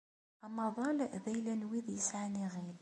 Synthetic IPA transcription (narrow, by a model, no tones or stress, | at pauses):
ɑmɑðˤɑlvæjlænwiðjəsʕaniʁil